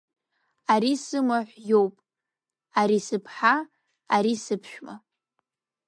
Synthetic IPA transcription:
aɾisɨmaħʷjowpʼ | aɾisɨpʰħa | aɾisɨpʰʃᶣma̰

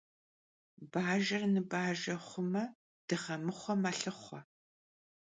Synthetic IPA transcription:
baːʒɐrnɨbaːʒɐχʷʊmɐ | d̥ɨʁɐmɨχʷɔmaːɬɨχʷɔ

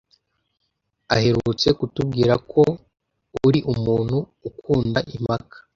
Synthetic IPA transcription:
ahe̞ɾut͡se̞kutub̚ɡiːɾakʰo̞ | uɾiʔumuːn̥huːkuːndaʔim̥akḁ

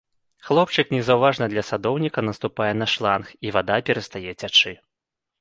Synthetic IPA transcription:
xlˠɔp̚t͡ʂɨknʲɛzɐwvaʐnɐd̪lʲɐsad̪ɔwnʲikɐnɐst̪upajɛn̪ɐʂlˠanxivad̪apʲɛɾɐst̪ajɛt͡sʲat͡ʂɨ

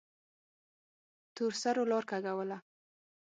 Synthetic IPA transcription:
t̪uɾsaɾolɔɾkaɡawəla

